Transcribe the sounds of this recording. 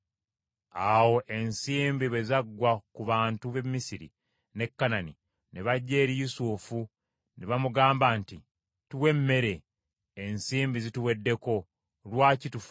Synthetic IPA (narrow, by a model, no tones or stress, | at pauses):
awo̞ʔe̞nsiːmbiβe̞zaɡːwakuβaːntuβe̞mːisiɾḭ | ne̞kːanani | neβaɟːe̞ːɾijusufu | neβamuɡaːmbaːnti | tuwe̞mːe̞ɾe̞ː | nsiːmbizituwe̞dːe̞ko̞ | lwaːcitufu̥